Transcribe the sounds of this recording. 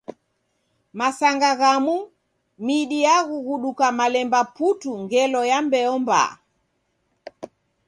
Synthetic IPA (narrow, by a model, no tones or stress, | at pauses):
masaŋɡaɣamu | miɗijaɣuɣuɗukamalɛmbaputuŋɡɛlɔjambɛɔmba̰